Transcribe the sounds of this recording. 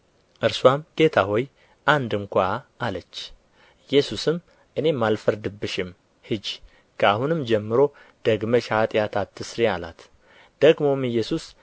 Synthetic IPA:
ʔɨɾswamɡ̥e̞t̪ʰaɦo̞j | ʔand̪ɨŋkʷaʔalət͡ʃː | jɛsusɨm | ʔɨne̞mːalfəɾd̪ɨbːɨʃɪm | hɨd͡ʒ | kʰəahunɨmd͡ʒɛmːɨɾo̞ | d̪̥əɡməʃat̪ʼjat̪ʰat̪ʰːɨsɾiala̰t̪ | d̪̥əɡmo̞mɨjːɛsus

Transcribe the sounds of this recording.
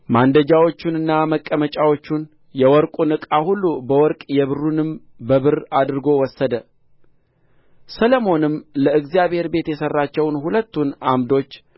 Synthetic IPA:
mand̪əd͡ʒawo̞t͡ʃːunɨnːaməkʼːəmət͡ʃʼawo̞t͡ʃːun | jɛwɔɾkʼunɨkʼahulːubəwɔɾkʼjɛβɨrːunɨm | bəβɨɾad̪ɾɨɡo̞wɔsːəd̪ə | sələmo̞nɨmləɨɡzijaβhe̞ɾbe̞t̪jɛsərːat͡ʃːɛwnhulət̪ːunamd̪o̞t͡ʃː

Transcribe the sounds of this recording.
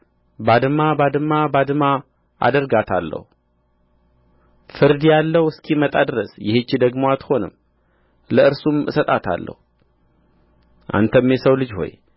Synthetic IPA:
bad̪ɨmabad̪ɨmːabad̪ɨma | ʔa̰d̪əɾɡat̪ʰalːə̰hu | fɨɾd̪jalːəwɨskʰimət̪ʼad̪ɨɾəsjɪhet͡ʃːid̪əɡmoat̪ho̞nɨ̰m | ləɨɾsumɨsət̪ʼat̪ʰa̰lːə̰hu | ʔa̰nt̪ʰəmːjɛsəwlɨd͡ʒho̞̰j

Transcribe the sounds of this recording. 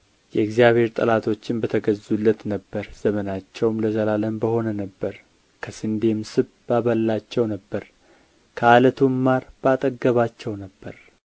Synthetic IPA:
jɛɨɡzijaβhe̞ɾt̪ʼəlat̪ʰo̞t͡ʃːɪnbət̪ʰəɡəzulːət̪nəbːəɾz̥əmənat͡ʃːɛwmləzəlaləmbəho̞nənəbːəɾ | kʰəsɨnd̪e̞msɨβ | baβəlːat͡ʃːɛwnəbːəɾ | kʰəalət̪ʰumːaɾb̥əat̪ʼəɡːəβat͡ʃːɛwnəbːəɾ

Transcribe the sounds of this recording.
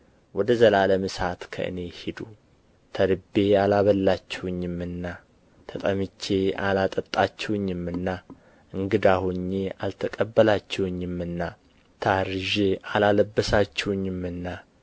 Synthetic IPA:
wɔd̪əzəlaləmɨsat̪kʰə̰ʔɨ̰ne̞hid̪u | t̪ʰəɾɨbːe̞alaβəlːat͡ʃːɛwʊɲːɪmːɨnːa | t̪ʰət̪ʼəmɨt͡ʃːe̞a̰lat̪ʼət̪ʼːat͡ʃːɛwʊɲːɪmːɨnːa | ʔɨŋɡɨd̪ahoɲːe̞a̰lt̪ʰəkʼəbːəlat͡ʃːɛwʊɲːɪmːɨnːa | t̪ʰaɾɨʒe̞alaləbːəsat͡ʃːɛwʊɲːɪmɨnːa

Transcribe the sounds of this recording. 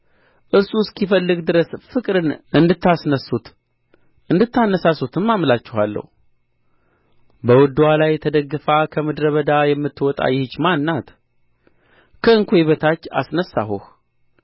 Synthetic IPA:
ʔɨɾsuskifəlːɨɡd̪ɨɾəsfɨkʼɾɨnʔɨnd̪ɨt̪ːasnəsut̪ | ʔɨnd̪ɨt̪ːanːəsasut̪ʰɨmːamlat͡ʃːɛɦalːə̰hu | bəwɔd̪ːuwalajt̪ʰəd̪əɡːɨfakʰəmɨd̪ɾəβəd̪ajɛmːɨt̪ːwɔt̪ʼa̰jɪhɨt͡ʃːmanːat̪ | kʰəɨŋkʷʰoeβət̪ʰat͡ʃːa̰snəsːa̰ɦṵh

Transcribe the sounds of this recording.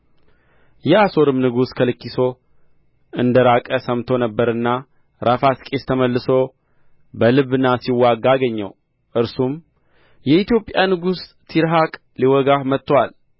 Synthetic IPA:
jɛaso̞ɾɨmnɨɡuskʰəlɨkːiso̞ | ɨnd̪əɾakʼəsəmt̪ʰo̞nəbːəɾɨnːa | ɾʔafaskʼest̪ʰəməlːɨso̞ | bəlɨβɨnːasiwːaɡːaɡəɲːə̰w | ʔɨɾsum | jɛit̪jo̞pʼjanɨɡus | t̪ʰiɾɦakʼ | liwɔɡahmət̪ːwal

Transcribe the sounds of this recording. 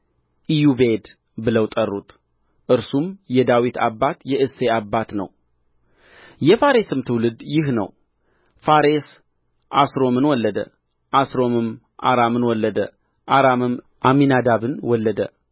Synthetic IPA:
ʔijubed̪ | bɨləwt̪ʼərːut̪ʼ | ʔɨɾsumjɛd̪awit̪ʰa̰bːat̪jɛʔɨseabːat̪nə̰w | jɛfaɾesɨmt̪ʰɨwlɨd̪jɪɦnə̰w | faɾe̞s | ʔasɾo̞mɨnwɔlːəd̪ə̰ | ʔasɾo̞mɨm | ʔa̰ɾamɨnwɔlːəd̪ə̰ | ʔaɾamɨm | ʔaminad̪aβɨnwɔlːəd̪ə̰

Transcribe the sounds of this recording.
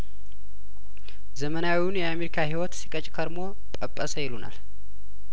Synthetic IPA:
zəmənawiwunjɛame̞ɾikʰahiwɔt̪si̥kʼət͡ʃʼkʰəɾmo̞ | pʼəpʼːəsəjɛluna̰l

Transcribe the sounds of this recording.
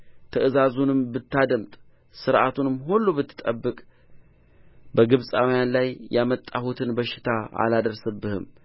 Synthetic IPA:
t̪ʰəʔɨzazunɨmbɨt̪ʰːad̪əmt̪ʼ | sɨɾʔat̪ʰunɨmːɦulːubɨt̪ʰːɨ̥t̪ʼəbːɨkʼ | bəɡɨβsʼawjanlajjamət̪ʼːahut̪ʰɨnbəʃɪ̥t̪ʰaa̰lad̪əɾsɨbːɨhɨ̰m

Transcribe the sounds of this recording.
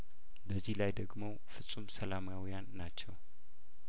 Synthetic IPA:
bəzːihlajd̪əɡmo̞ | fɨsʼumsəlamawjanːat͡ʃːɛw

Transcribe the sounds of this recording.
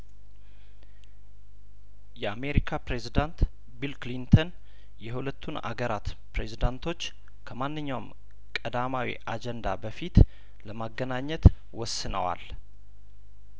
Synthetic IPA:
jɛame̞ɾikʰapɾe̞zid̪ant̪ | bilklint̪ʰən | jɛɦulət̪ʰːuna̰ɡəɾat̪pɾe̞zid̪ant̪ʰo̞t͡ʃː | kʰəmanːɨɲːawm | kʼəd̪amawḭʔad͡ʒɛnd̪a̰bəfit̪ | ləmaɡːənaɲːɛt̪ | wɔsːɨnə̰wa̰l

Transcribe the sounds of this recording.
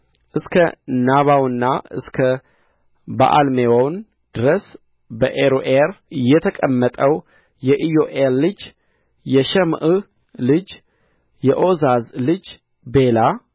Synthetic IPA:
ʔɨskʰənaβawɨnːaɨ̰skʰə | ba̰ʔa̰lmewawn | d̪̥ɨɾəs | bəʔeɾoʔeɾɨjːɛt̪ʰəkʼəmːət̪ʼəw | jɛʔijoʔeɾlɨd͡ʒ | jɛʃɛmʔɨ | lɨd͡ʒ | jɛʔo̞zazlɨd͡ʒ | be̞la

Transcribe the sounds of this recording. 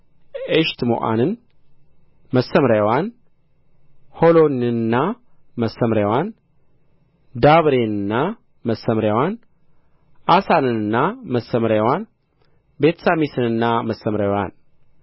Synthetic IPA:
eʃt̪mo̰ʔa̰nɨn | məsəmɾawan | holo̞nɨnːa | məsːəmɾawan | d̪aβɾenɨnːa | məsːəmɾwan | ʔasanɨnɨnːaməsːəmɾajwan | be̞t̪ʰsamisɨnɨnːaməsːəmɾajwan

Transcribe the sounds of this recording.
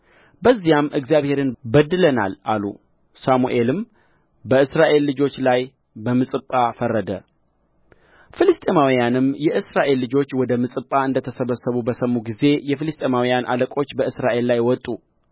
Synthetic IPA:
bəzːijamʔɨɡzijaβhe̞ɾɨnbəd̪ːɨləna̰lʔalṵ | samuʔe̞lɨm | bəɨsɾaʔe̞lːɨd͡ʒo̞t͡ʃːlaj | bəmɨsʼɨpʼːafərːəd̪ə̰ | fɨlɨst̪ʼemawijanɨmjɛʔɨsɾaʔe̞lːɨd͡ʒo̞t͡ʃːwɔd̪əmɨsʼɨpʼːaɨnd̪ət̪ʰəsəβəsəβubəsəmːuɡize̞jɛfɨlɨst̪ʼemawijanʔa̰ləkʼo̞t͡ʃːbəɨsɾaʔe̞lːajwɔt̪ʼːu

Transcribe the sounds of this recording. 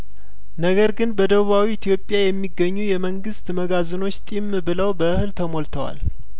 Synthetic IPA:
nəɡəɾɡɨnbəd̪əβuβawiɪt̪ʰjo̞pʼːjajɛmːiɡːəɲːujɛməŋɡɨst̪məɡazɨno̞t͡ʃːt̪ʼimbɨləwbəʔɨhɨlt̪ʰəmo̞lt̪ʰəwa̰l

